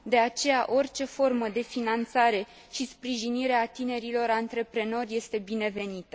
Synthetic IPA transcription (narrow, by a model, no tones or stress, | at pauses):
d̪e̞at͡ʃe̞jaʔo̞rt͡ʃe̞fo̞rməd̪e̞finant̪saɾe̞ | ʃispɾiʒiniɾeat̪ine̞ɾilo̞ɾant̪ɾe̞pɾe̞no̞rʲje̞st̪e̞bine̞ve̞nit̪ə̥